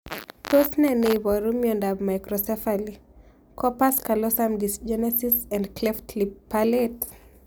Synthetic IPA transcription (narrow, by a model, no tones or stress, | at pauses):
tosnɛnebɔɾumiɔ̃ndabmajkɾɔsɛfali | kɔpaskalɔsamdisd͡ʒɛnɛsisãndklɛftlipːalet